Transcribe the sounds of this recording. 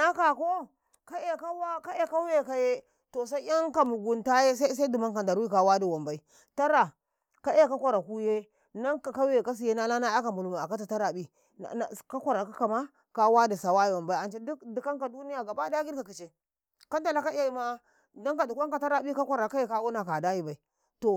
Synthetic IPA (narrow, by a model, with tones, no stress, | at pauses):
na˦ka˨ko˦ | ka˦e˦ka˦wa˦ka˦e˦ka˦we˦˨ka˦je˦ | to˨sa˦i˦ja˦ŋka˨mu˨ɡu˨nta˦je˦sa˦sa˦du˨ma˦ŋka˨nda˨ɾi˦ka˨wa˦di˨wa˨mba˨i˦ | ta˦ɾa˨ | ka˦e˦ka˦kʷa˨ɾa˨ku˦je˦ | na˦ŋka˨ka˦we˨ka˦s̬i˨je˦na˦la˦na˦a˦ka˨mu˨lu˨ma˨a˨ka˦ta˨ta˦ɾa˨bḭ˦˨ | ka˦kʷa˦ɾa˨ka˦ka˨ma˦ | ka˦wa˦di˨sa˨wa˦je˨wa˨mba˦i˦a˨t͡ʃe˦du˦di˨ka˦ŋka˨du˦ni˦ja˨ɡa˨ba˦da˦ɡi˦ɾka˨ki˨t͡ʃe˨ | ka˦nta˨la˦ka˦e˦˨˦ma˦ | da˦ŋka˨du˨ka˦ŋka˨ta˦ɾa˦bi˦ka˦kʷa˦ɾa˨ka˦je˦ka˦wu˦na˨ka˨da˦ji˦ba˨i˨ | to˨